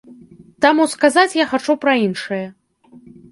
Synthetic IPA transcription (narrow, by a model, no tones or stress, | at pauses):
t̪amuskazat͡sʲjaxat͡ʂupɾɐinʂɨjɐ